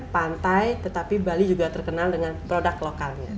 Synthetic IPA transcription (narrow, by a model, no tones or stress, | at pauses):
pant̪ajt̪ət̪apibalid͡ʒuɡat̪ərkənaldəŋanpɾodaklokalɲa̰